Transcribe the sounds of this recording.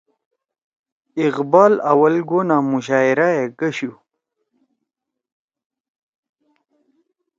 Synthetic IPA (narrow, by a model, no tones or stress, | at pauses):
iqbɑːlawɐlɡonamuɕ̬aːiɾajeɡəɕu